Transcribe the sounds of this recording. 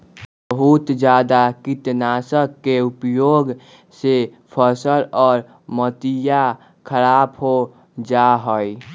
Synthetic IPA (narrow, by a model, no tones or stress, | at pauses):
bbəɦut̪d͡ʒad̪akit̪nasəkːeupjoɡ | se | pʰəsəɾɔːɾ | mət̪ija | kʰəɾabɦo | d͡ʒaɦəj